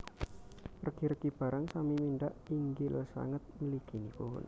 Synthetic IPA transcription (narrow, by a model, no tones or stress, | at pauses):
pərɡ̥iɾəkib̥a̤ɾaŋsamiminɖaʔiŋɡɪlsa̰ŋət̪̚məlikinipuʊ̰n